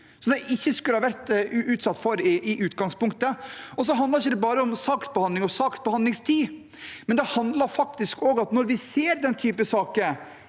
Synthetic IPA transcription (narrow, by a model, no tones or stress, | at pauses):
sɔd̪ɛʔɪçːəskʉlːəhɑːʋæɾt̪ʉːt̪sɑt̪ːfɔɾɪʔɪʔʉːt̪ɡɑŋspʊŋkt̪əɔs̬ɔɦɑnd̪lɑɾɪçːəd̪ɛbɑːɾəɔmsɑːksbɛhɑnd̪ɪŋɔsɑːksbɛhɑnd̪lɪŋst̪ʰiː | mɛnd̪ɛhɑnd̪lɑɾfɑk̚t̪ɪskoːɡɑt̪nɔɾʋɪseːɾd̪ɛnt̪ʰyːpəsɑːkə